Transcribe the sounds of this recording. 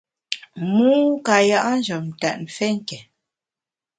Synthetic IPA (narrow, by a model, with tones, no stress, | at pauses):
mu˦ka˨ja˨ʔa˦n̩˦d͡ʒɔ˨m̩˨ta˨t̚m̩˨fɛ˦ŋ̩˦kɛ˨